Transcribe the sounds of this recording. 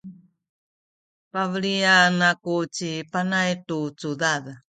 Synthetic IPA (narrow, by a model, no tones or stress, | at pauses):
pavɭianakut͡ɕipanajtut͡sudað